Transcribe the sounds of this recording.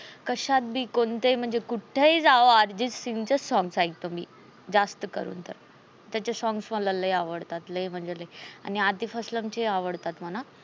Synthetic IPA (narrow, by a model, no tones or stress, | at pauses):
kəɕat̪̚bʱiːkont̪ejm̤əɳd͡zekuʈʰeid͡zaʋoaɾd͡ʑit͡ssiŋɡt͡ɕasɔ̃ŋɡsajk̚t̪omḭː | d͡zast̪əkə̰ɾṵːnt̪ə̰ɾ | t̪jat͡ɕasɔ̃ŋɡsməlaləjaʋəɽt̪at̪ləjm̤əɳd͡zeləja̰niad̪iːfəsləmt͡ɕeaʋəɽt̪at̪məna